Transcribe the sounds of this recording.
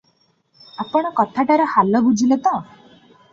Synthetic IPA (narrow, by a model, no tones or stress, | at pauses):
apɔɽ̃ɔkɔt̪ʰaʈaɾɔhalɔbud͡ʒʱilet̪ɔ̃